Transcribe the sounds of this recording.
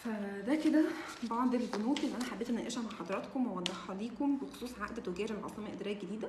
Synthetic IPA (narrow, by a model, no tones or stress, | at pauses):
fæd̪æked̪æ | b̪ɑbʕɑnd̪ellbonuːb̪ʔelnːʔænæħabeːt̪ʔenːæʔeːʃæmaʕħɑd̪ˤɑɾˤɑt̪komwæwænd̪æxːɑliːkombexo̥sˤuːsˤʕaʔd̪t̪oɡæːɾelʕɑ̰sˤemæʔed̪ɾæːɡed̪iːd̪æ